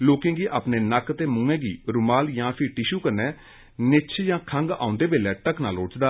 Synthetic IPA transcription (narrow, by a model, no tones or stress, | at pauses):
loːkɪ̃ŋɡiːʔa̰ːpneːnəkt̪eːmʊ̃ŋẽːɡiːɾʊmaːljãːpʰɪɾʈɪʃuːkəɾnɛː | nɪt͡ʃʰjãːkʰəŋɡa̰ːʊ̃nd̪eːbeːlɛːʈəkʰnaːlʊt͡ʃd̪aː